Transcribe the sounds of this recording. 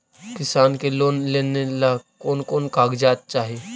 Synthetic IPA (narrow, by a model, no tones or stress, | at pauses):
kɪsaːnkeloːnleːnelaːkoːnkoːnkaːɡd͡ʒaːt̪̚t͡ʃaːɦieː